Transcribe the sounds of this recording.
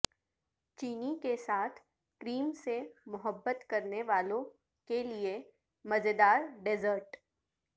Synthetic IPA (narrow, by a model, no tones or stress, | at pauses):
t͡ʃiːnikesaːt̪ʰ | kɾiːmsemʊɦəbːət̪kɐɾneʋaːlõ | kelie | mɐzed̪aːɾɖɪzəɾʈ